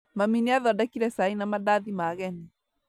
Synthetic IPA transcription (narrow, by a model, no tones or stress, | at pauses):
maminiaðɔdakiɾɛsainamadaðimaːɣɛni